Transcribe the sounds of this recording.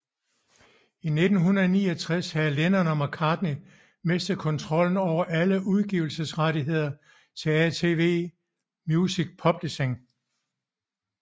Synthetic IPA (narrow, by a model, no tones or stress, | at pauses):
ine̝d̥n̩ɦunɐðˠnḭːɒt͡sʰʁɛshælenɐnɒmɑkʰɑ̈ːd̥ni | me̝sd̥ð̩ˠkʰɒ̽nt͡sʰʁɒ̽l̰n̩ɒʊ̰ɐʔæləʔuð̞ˠɡ̥iʊl̩səsʁaɾiɦe̝ð̞̰ˠɐ | t͡sʰe̝æt͡sʰe̝ːʋe̝̰ː | mjusiɡ̥̚pʰɒ̽b̥liɕeŋ